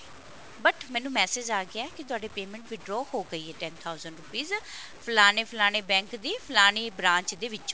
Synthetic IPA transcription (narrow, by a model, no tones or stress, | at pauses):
bəʈʰmɛ̃ːnũːmɛːsed͡ʒaːɡɪaɛːkɪt̪ʊaːɖeːpeːmɛ̃ːɳʈʋɪɖɾɔːhoːɡəiːɦɛːʈɛːnt̪ʰaːʊzəɳɖɾupiːz | pʰəlaːneːpʰlaːɽ̃eːbɛ̃ːŋkd̪iːpʰəlaːneːbɾãːɲt͡ʃd̪eːʋɪt͡ʃː